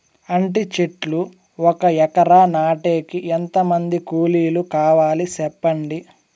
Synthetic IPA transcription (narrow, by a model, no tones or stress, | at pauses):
ɐɳʈit͡ʃeʈlu | ɔkɐjɛkɐɾaːnaːʈe̞ːkiʔent̪ɐmɐnd̪ikuːliːlukaːʋaːlisɛpːɐɳɖi